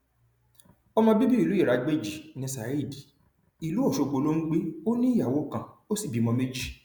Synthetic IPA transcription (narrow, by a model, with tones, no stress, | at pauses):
ɔ˧mɔ̃˧bi˦bi˦i˦˨lu˨˦i˦˨ɾa˨˧˦ɡ͡be˦˨d͡ʒi˨nĩ˧sa˨i˦˨di˨ | i˨lu˨˦o˦˨ʃo˨˧k͡po˨˦lo˦ŋ̩˦ɡ͡bi˦o˦nĩ˦˨ja˨wo˨˦˨kã˨o˦si˦˨bi˨˦mɔ̃˧me˦d͡ʒi˦˨